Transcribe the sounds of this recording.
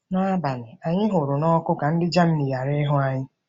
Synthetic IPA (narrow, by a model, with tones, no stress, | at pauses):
na˦a˦ba˨nʊ˨a˨ɲɪ˦ɦʊ˨ɾʊ˨nɔ˦kʊ˦ka˨n̩˦dɪ˦d͡ʒa˦m̩˦ni˨ja˨ɾe˦ɦʊ˦a˨ɲɪ˦